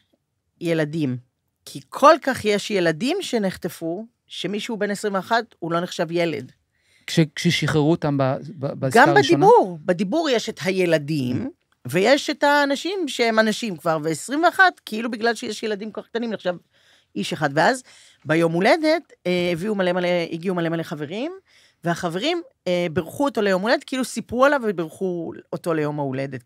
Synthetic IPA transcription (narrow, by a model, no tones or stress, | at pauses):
je̞ladim | kʰikʰo̞lkaχjeʃje̞ladimʃe̞neχt̪efu | ʃe̞miʃube̞nesʁimveaχathulo̞neχʃavjele̞̰d | kʃekʃeʃiχeʁuotambabbaɡambad̪ibuʁbed̪ibuʁjeʃethajeladim | ve̞jeʃethaːnaʃimʃehemanaʃimkvaʁveːsʁimveaχatkʰeilubiɡlalʃejeʃje̞ladimkoaχk̚t̪animleχʃav | iʃeχadveaz | bejo̞mule̞de̞teviumalemaleiɡiumale̞maleχave̞ʁim | veaχave̞ʁimbeʁχuoto̞lejo̞mule̞d̪et̪keilusipualavebeʁχuoto̞lejo̞maule̞det